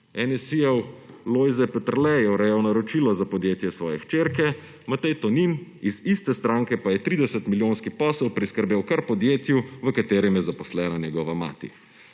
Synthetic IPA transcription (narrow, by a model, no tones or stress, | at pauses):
ɛnɛsijɛw | lojzɛpɛt̪əɾlɛjɛwɾɛjɛwnaɾɔt͡ʃilɔzapɔd̪jeːt̪jɛsʋɔːjɛxt͡ʃeːɾkɛ | mat̪ɛjt̪ɔninizist̪ɛst̪ɾaŋkɛpajɛt̪ɾiːd̪ɛsət̪miljoːnskipɔːsɛwpɾiskəɾbewkaɾpɔd̪jeːt̪juʋəkat̪eːɾɛmjɛzapɔslɛːnanʲjɛɡɔːʋama̰ːt̪ḭ